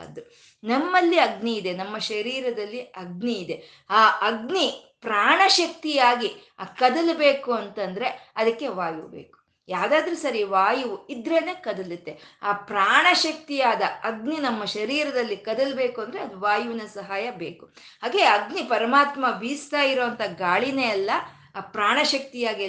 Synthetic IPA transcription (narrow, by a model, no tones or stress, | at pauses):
ɐ̰d̪u | nɐmːɐlːiɐɡniːd̪e̞nɐmːɐʃɐɾiːɾɐd̪ɐlːiɐɡ̚niːd̪e̞ | aːʔɐɡni | pɾaːɳɐʃɐk̚t̪ijaːɡi | akɐd̪ɐlɐbe̞ːkuɐnt̪ɐnd̪ɐɾe̞ɐd̪ɐkːe̞ʋaːjubeːku̥ | jaːd̪aːd̪ɐɾusɐɾiʋaːjuʋuid̪ɾeːne̞ːkɐd̪ɐlit̪ːeaːpɾaːɳɐʃɐk̚t̪ijaːd̪ɐɐɡninɐmːɐʃɐɾiːɾɐd̪ɐlːikɐd̪ɐlbe̞ːkuɐnd̪ɾeɐd̪uʋaːjuʋinɐsɐɦaːjɐbeːku̥ | ɦaːɡe̞ːɐɡnipɐɾɐmaːt̪mɐbiːst̪aːjiɾoːɐnt̪ʰɐɡaːɭineɐlːɐː | pɾaːɳɐʃɐk̚t̪ijaːɡi